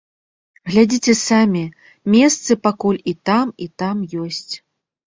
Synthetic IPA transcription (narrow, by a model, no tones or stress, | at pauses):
ɣlʲad͡zʲit͡sʲɛsamʲi | mʲɛst̪sɨpakulʲit̪amit̪amjɔsʲt͡sʲ